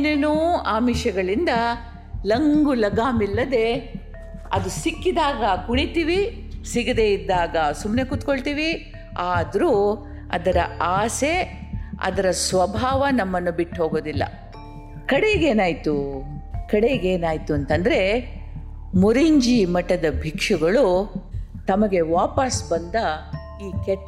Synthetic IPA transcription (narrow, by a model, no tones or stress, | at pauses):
nɐnuaːmiʃɐɡɐɭind̪ɐ | lɐŋɡulɐɡaːmilːɐd̪e̞ | ɐd̪usikːid̪aːɡɐkuɳit̪iːʋi | siɡid̪e̞id̪ːaːɡɐsumne̞kut̪ko̞ɭt̪iːʋi | aːd̪ɐɾuː | ɐ̰d̪ɐɾɐ̰aːse̞ɐ̰d̪ɐɾɐsʋɐbʱaːʋɐnɐmːɐnːubiʈːɦo̞ːɡoːd̪ilːɐ̰ | kɐɽejɡe̞ːnaːjt̪u | kɐɽejɡe̞ːnaːjt̪uɐnt̪ɐnd̪ɐɾe̞ | muɾiɲd͡ʒimɐʈːɐd̪ɐbʱikʂuɡɐɭu | t̪ɐmɐɡe̞ʋaːpɐsbɐnd̪ɐ | iːkɛʈː